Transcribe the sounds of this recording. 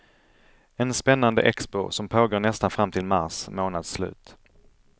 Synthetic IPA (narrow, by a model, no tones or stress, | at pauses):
ɛnspɛnːand̪ə̰ʔɛkspʊ̰sɔmpʰoːɡoːɳɛst̪anfɾamt̪ʰɪlmaɾsmoːnad̪slʉ̟̰ːt̪